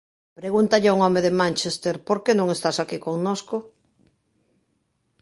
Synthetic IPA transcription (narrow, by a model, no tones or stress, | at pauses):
pɾeɣunt̪aʎɪuŋɔmeðɪmãnt͡ʃest̪eɾpoɾkenõŋest̪asakikoŋnosko